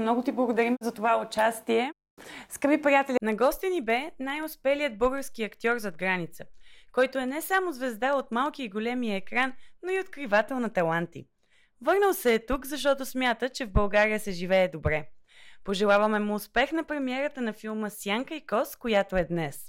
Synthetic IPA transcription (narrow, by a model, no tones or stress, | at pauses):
mnɔɡʊt̪iblˠəɡod̪ɐɾimzɐt̪ovaʊt͡ʃast̪iɛ | skəbipɾijat̪ɛlʲnɐɡɔst̪inibɛnajʊspɛlijəd̪̚bɤlˠɡəɾskiɐkt̪ʲɔɾzɐd̪̚ɡɾanit̪səkɔjt̪oɛnɛsamozvɛzd̪aot̪malˠkiːɡolɛmijəɛkɾanːoiot̪kɾivat̪ɛlˠnɐt̪ɐlˠant̪ḭ | vɤɾnəlˠsɛːt̪ukzɐʃt̪ɔt̪osmʲjat̪ət͡ʃɛvbɐlˠɡaɾijəsɛʒivɛːd̪obɾɛpoʒɛlˠavəmɛmʊːspɛxnɐpɾɛmiɛɾət̪ənɐfilˠməsjaŋkəikɔskojat̪oɛd̪nɛs